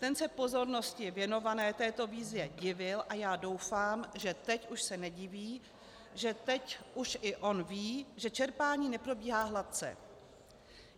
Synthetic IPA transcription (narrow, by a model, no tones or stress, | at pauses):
t̪ɛnsɛpo̞zo̞ɾno̞scɪvjɛno̞vanɛːt̪ɛːt̪o̞viːzjɛɟɪvɪlʔajaːdo̞wfaːmʒɛt̪ɛcuʃsɛnɛɟɪviː | ʒɛt̪ɛcʔuʃʔɪʔo̞nviːʒɛt͡ʃɛɾpaːɲiːnɛpɾo̞biːɦaːɦlat̪̚t͡sɛ̰